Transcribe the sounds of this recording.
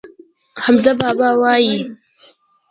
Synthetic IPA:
hamzabaːbaːwaːji

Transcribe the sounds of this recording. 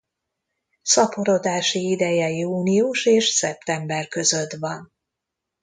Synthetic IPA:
sɒpoɾo̞d̪aːʃiid̪ɛjɛjiuːniuʃeːʃsɛp̚t̪ɛmbɛrkøzø̞t̪ʋɒn

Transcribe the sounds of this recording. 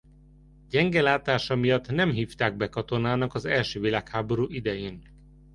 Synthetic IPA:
ɟɛŋɡɛlaːt̪aːʃɒmijɒt̪ːnɛmɦiːft̪aːɡ̚bɛkɒt̪o̞naːnɒkɒzɛlʃøːvilaːkhaːboɾuːʔid̪ɛjeːn

